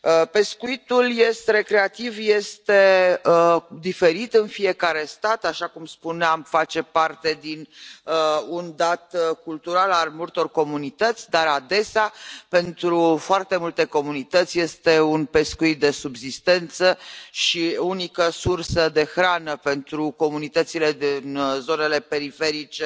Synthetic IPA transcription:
əpe̞skuit̪ulje̞st̪eɾe̞kɾe̞at̪ivje̞st̪e̞əd̪ife̞ɾit̪ɨnfie̞kaɾe̞st̪at̪aʃakumspuneamfat͡ʃe̞part̪e̞d̪inəund̪at̪kult̪uɾalalmult̪o̞rko̞munit̪ət̪sʲd̪aɾad̪e̞seape̞nt̪ɾufoart̪e̞mult̪e̞ko̞munit̪ət̪sʲje̞st̪e̞unpe̞skuit̪̚d̪e̞subzist̪e̞nt̪səʃiunikəsursəd̪e̞xɾanəpe̞nt̪ɾuko̞munit̪ət̪sile̞d̪inzo̞ne̞le̞pe̞ɾife̞ɾit͡ʃe

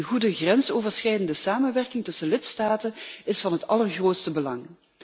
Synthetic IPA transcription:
nɣudəɣrɛnsoːvəɹsχɛjdəndəsaːmənʋɛrkɪŋtɵsəlɪtstaːtənɪsfɑnɦətɑlˠərχroːtstəbəlɑŋ

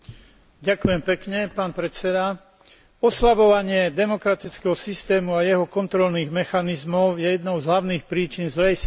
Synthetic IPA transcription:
ɟakujɛmpɛkɲɛpaːnpɾɛt͡sɛd̪a | ɔslaʋɔʋaɲɪɛd̪ɛmɔkɾat̪it͡skɛɦɔsist̪ɛːmuajɛɦɔkɔnt̪ɾɔlniːɣmɛxanizmɔʊjɛjɛd̪nɔʊzɦlaʊniːxpɾiːt͡ʃinzlɛjs

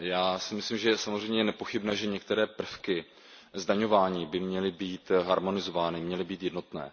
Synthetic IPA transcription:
jaːsɪmɪslimʒɛsamo̞zrɛjɲɛjɛnɛpo̞xɪbnɛːʒɛɲɛk̚t̪ɛɾɛːpr̩fkɪ | zdaɲo̞vaːɲiːbɪmɲɛlɪbiːt̪ɦaɾmo̞nɪzo̞vaːnɪmɲɛlɪbiːt̪jɛdno̞t̪nɛ̰ː

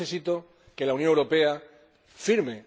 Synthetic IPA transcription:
esit̪o | ke̞launjoŋewɾo̞pe̞a | fiɾme

